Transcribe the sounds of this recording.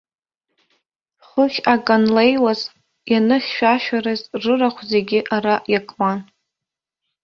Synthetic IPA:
χʷʊχʲakʼanlejwaz | janɨχʲʃᶣaʃᶣaɾɨzrɨraχʷʰze̞ɡʲɪʔaɾaʔjakʼman

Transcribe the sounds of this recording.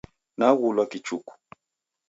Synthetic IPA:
naɣulakit͡ʃuku̥

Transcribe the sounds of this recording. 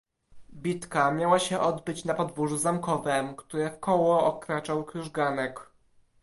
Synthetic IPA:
bʲit̪kamʲjawaɕɛʔɔd̪bɘt͡ɕnapɔd̪vuʐuzamkɔvɛmkt̪uɾɛfkɔwɔʔɔkɾat͡ʂawkɾuʐɡanɛk

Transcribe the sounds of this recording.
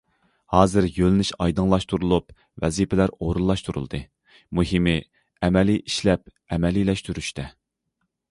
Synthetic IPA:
hɑːzɨɾjølnɪʃɑjd̪ɨŋlˠɑʃt̪ʰuɾulˠup | vɛzipʰɪlæɾoɾulˠːɑʃt̪ʰuɾṵlˠd̪ɨ | muɦimɪ | ɛmɛliʔiʃlɛp̚ | ɛmɛlilɛʃt̪yɾyʃt̪ʰɛ

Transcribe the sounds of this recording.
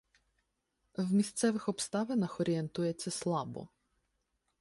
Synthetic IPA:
wmʲist̪sɛʋɪxɔpst̪ɑʋenɐxɔɾʲient̪ujet͡sʲːɐslˠɑbɔ̰

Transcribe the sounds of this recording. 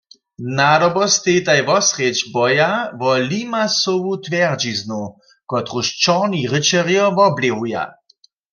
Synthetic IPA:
naɾɔbɔst̪et̪ajʋɔsʁet͡ʃbɔjavɔlimasowut̪ʋɛʁd͡ʒiznu | kɔt̪ʁuʃt͡ʃɔʁniʁət͡ʃɛʁjɔvɔbleɣuja̰

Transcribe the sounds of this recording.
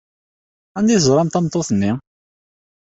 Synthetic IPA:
ænd̪izɾˤɑmt̪ɑmt̪ˤːoθənːi

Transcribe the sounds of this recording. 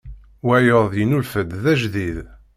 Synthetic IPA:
wæjəɾˤðjənulfəd̪ðæʒðið

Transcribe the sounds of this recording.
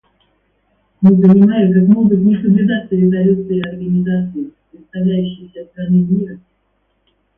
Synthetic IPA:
mɨzənʲɪmajɪkakmoɡ̪əznʲɪsəblʲʉd̪at̪səɾʲɪzɐlʲut̪sɨɪɐrɡənʲɪzat̪sɨɪpɾʲɪt̪st̪ɐvlʲæjʉɕːɪjsʲəst̪ɾanɨmʲiɾə

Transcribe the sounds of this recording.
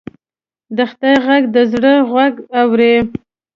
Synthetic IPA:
d̪əxt̪ajɣaɡd̪əzɽəɣwaɡawɾe

